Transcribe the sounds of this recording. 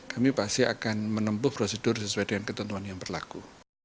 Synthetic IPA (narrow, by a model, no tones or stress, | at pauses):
kamipast̪ɪa̰kanmənəmbʊhpɾosədʊrsəsuajdəŋankət̪unt̪uanjaŋbərlaku